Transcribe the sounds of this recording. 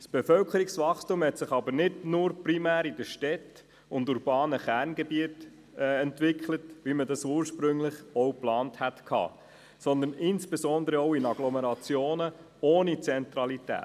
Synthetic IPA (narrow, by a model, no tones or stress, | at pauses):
sb̥efœlkəɾiksʋɑχstumhɛtsɪχɑbəɾnɪdnʊːɾprimæːɾidəʃtɛt | ʊnduɾb̥ɑːnəχærnɡɛbiətː | ɛntʋɪkχlətvimədɑsuːɾʃpɾɵŋlɪχɔʊplɑːnthætkʰɑ̰ː | sɔnd̪ənɪnsb̥ezɔnd̪əɾəɔʊɪnɑɡlɔmeɾɑt͡sjoːnə | oːnit͡sɛnt̪ɾɑlitæ̰ː